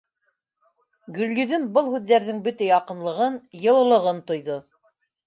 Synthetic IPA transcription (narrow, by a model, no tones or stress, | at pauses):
ɡɵ̆lːyðɵnbɤlˠhʉðːæɾðɘŋbɵt̪æjɑqɤ̆nlˠɤ̆ʁɤnjɤ̆lˠɤ̆lˠɤ̆ʁɤnt̪ŏjðo